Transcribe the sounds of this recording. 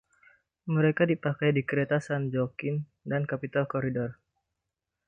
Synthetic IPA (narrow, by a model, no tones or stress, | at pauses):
məɾekadipakajdikəɾet̪asand͡ʒɔkɪn | dankapit̪alkɔɾidɔr